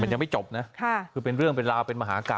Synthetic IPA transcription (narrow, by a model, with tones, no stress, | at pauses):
ma˧nja˧ma˥˩jt͡ɕo˨˩p̚na˦˥kʰa˥˩kʰɯː˧pe˧nɾɯ˥˩əŋpe˧nɾaː˧wpe˧nma˧ɦaː˩˦ʔa˧ka̰ː˨˩